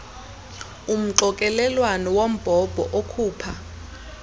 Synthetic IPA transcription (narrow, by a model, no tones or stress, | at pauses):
um̩ǃɔkʼɛlɛlwanɔwom̩b̥ʱɔb̥ʱɔ̰ʔokʰuːpʰa